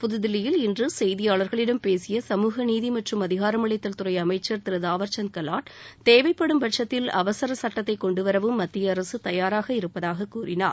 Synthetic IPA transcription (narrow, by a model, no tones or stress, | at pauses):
pʊðɯðɪlːɪjɪlɪndrɯsɛjðɪjaːɭɐɾɣɐɭɪɽɐmpeːsɪjɐsɐmuːɣɐniːðimɐʈrɯmɐðɪɣaːɾɐmɯɭɐɪt̪ːɐlt̪ɯrɐɪɐmɐɪt͡ʃːɐɾt̪ɪɾɐðaːʋɐɾt͡ʃɐnkɐlaːʈt̪eːʋɐɪpːɐɽɯmbɐʈʂɐt̪ːɪlɐ̰ʋɐsɐɾɐsɐʈːɐt̪ːɐɪkːɔɳɖɯʋɐɾɐʋɯmːɐt̪ːɪjɐːɾɐsɯt̪ɐjaːɾaːɣɐɪɾɯpːɐðaːɣɐkːuːrɪna̰ːɾ